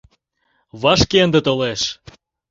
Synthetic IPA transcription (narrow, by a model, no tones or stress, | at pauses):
βɑʃkeənd̪et̪oleʃ